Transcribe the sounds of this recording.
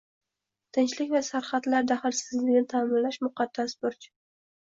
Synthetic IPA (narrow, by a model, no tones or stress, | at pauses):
t̪ʰɪnt͡ʃlɪkʲvasaɾχɑt̪laɾd̪aχɪlsɪzlɪɡʲnɪt̪ʰaːmɪnlaʃmʊqɑd̪̥ːasbʊɾt͡ʃʰ